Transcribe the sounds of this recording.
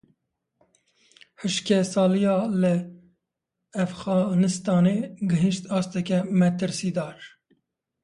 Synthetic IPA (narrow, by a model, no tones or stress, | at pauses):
hɨʃkʰɛsɑːlijɑːlɨ | æfɣɑːnɨst̪ɑːneːɡɨɦɨʃt̪ɑːst̪ɛkʲɛmɛt̪ɨɾsiːd̪ɑːɾ